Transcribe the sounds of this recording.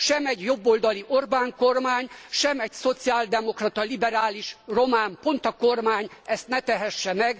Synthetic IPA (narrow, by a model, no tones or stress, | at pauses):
ʃɛmɛɟjo̞bːoːld̪ɒliʔo̞rbaːŋko̞rmaːɲʃɛmɛɟso̞t̪siaːld̪ɛmo̞krɒt̪ɒlibɛɾaːliʃro̞maːmpo̞nt̪ɒko̞rmaːɲɛst̪nɛt̪ɛɦɛʃːɛmɛɡ